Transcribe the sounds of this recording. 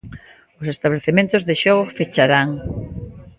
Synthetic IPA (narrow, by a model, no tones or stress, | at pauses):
ʊsest̪aβleθemẽnt̪ʊzðeʃɔɣ̞ʊfet͡ʃaɾaŋ